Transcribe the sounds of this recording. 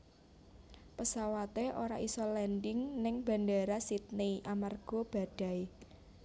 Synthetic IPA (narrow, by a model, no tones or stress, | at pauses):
pəsawat̪eʔoɾaʔisɔlɛndɪŋnɪŋba̤ndaɾasit̪̚neiʔamarɡ̥ɔ̤b̥ä̤d̥a̤j